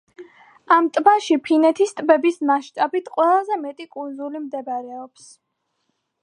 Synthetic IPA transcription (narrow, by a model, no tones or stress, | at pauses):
amt̪ʼbaʃipʰinɛt̪ʰist̪ʼbɛbismaʃt̪ʼabit̪ʰqʼwɛlˠazɛmɛt̪ʼikʼunzulimd̪ɛbaɾɛɔps